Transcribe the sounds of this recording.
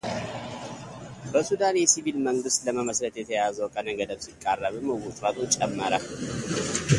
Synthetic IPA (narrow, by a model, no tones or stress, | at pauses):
bəsud̪anjɛsiβilməŋɡɨst̪ləməməslət̪jɛt̪ʰəjazəwkʼənəɡəd̪əβsɨkʼːarːəβɨməwɔt̪ʼɾat̪ʰʼont͡ʃʼɛmːəɾa̰lːɨ